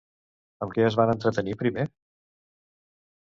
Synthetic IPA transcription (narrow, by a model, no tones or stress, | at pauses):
əmkɛəzβanənt̪ɾət̪ənipɾime